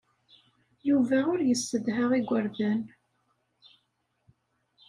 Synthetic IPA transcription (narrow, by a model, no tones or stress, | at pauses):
juvæʊɾjəsːəðɦəʁiɡʷəɾðæn